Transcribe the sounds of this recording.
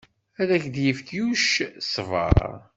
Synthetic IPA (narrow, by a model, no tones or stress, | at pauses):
æðæçd̪jəfkjuʃsvɑ̰ɾ̰